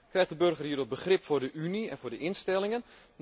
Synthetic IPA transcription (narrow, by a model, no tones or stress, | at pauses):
krɛjxdəbørɣərhiːdɔt̚bəxrɪpfʊːrdəʔyniɛ̰nvʊːrdəʔɪnstɛlˠɪŋən | n